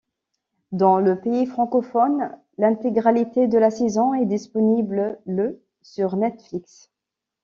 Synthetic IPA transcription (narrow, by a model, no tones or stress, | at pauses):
d̪ɑ̃ləpeifχɑ̃kɔfɔn | lɛ̃t̪eɡʁalit̪ed̪əlasezɔ̃ɛd̪ispɔniblələ | syʁnɛt̪fliks